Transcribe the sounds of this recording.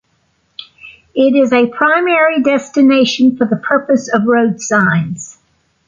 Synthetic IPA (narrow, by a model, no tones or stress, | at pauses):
ɪɾɪzɨpʰɹ̥ãɪ̃mɛɹidɛstɨneɪʃɨ̃n̩fə˞ðəpʰɜ˞pɨsʌvɹoʊdsãɪ̃nz̥